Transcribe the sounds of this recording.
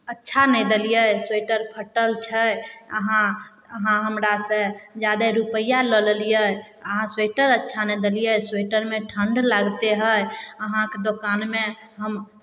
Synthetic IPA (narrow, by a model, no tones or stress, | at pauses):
ətːʃʰanɛjd̪elijəsweʈəɾpʰəʈəlt͡ʃʰəjə̰ɦã | əɦãɦəmɾasə̃d͡ʒad̪eɾupəjːalɔləlijə | əɦãsweʈəɾətːʃʰanɛd̪elijəsweʈəɾmeʈʰəɳɖlaɡt̪eɦəjəɦãked̪okanmeɦəm